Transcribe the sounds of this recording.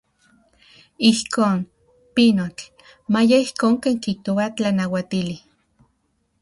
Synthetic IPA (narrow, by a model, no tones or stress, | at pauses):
ihkʰoːn | pinot͡ɬ | majaihkoːŋkeːŋkiht̪oat͡ɬanawat̪ili